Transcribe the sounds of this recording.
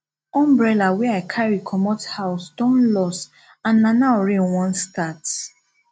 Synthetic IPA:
ɔ̃mbɹɛlawɛaɪkʰaɹikʰɔmɔthaʊsdɔ̃nlɔs | ãnːanaʊɹĩnwɔ̃nstat

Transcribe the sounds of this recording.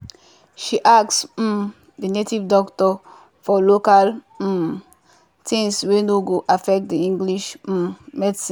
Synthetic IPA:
ʃiʔaks̩ | dinetivdɔktɔ | fɔlokal | tʰĩŋswenoɡoʔafɛk̚t̚diĩŋɡliʃ̩mɛdsĩ

